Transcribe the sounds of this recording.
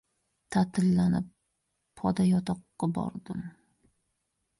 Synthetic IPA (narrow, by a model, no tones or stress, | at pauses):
t̪ʰat̪ʰɪlːanɪp̚ːʰ | ɒd̪ajɒt̪ʰɒqːɑbɒ̰ɾd̪ɪm